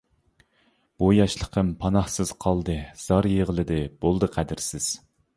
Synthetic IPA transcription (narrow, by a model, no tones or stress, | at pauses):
b̥ujɑʃlˠəqʰəmpʰɑnɑhsɨz̥qʰɑlˠd̪ɨz̥ɑɾjeʁəlˠɨd̪ɨb̥olˠd̪ɨqʰæd̪ɪɾsɪz̥